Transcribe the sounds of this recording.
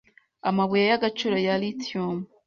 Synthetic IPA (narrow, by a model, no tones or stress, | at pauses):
a̰maβujajaɡat͡ʃuɾojalitiom